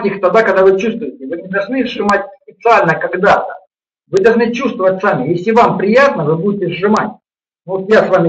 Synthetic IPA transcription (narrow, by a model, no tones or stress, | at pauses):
tʲixt̪ɐd̪akɐɡd̪avɨt͡ɕust̪vʊjɪtʲɪvɨnʲɪd̪ɐlˠʐnɨzʐɨmatʲspʲɪt̪sɨalʲnəkɐɡd̪at̪ə | vɨd̪ɐlˠʐnɨt͡ɕust̪vəvətʲsamʲɪjesʲlʲɪvampɾʲɪjat̪nəvɨbudʲɪtʲɪzʐɨmatʲ | novot̪jasvamʲɪ